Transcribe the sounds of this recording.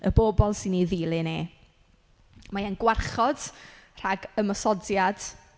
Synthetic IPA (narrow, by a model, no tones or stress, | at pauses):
əboːbɔlˠsɪniðiːlˠɨne | majanɡwarχɔd̥r̥aɡəmɔsɔdjad̥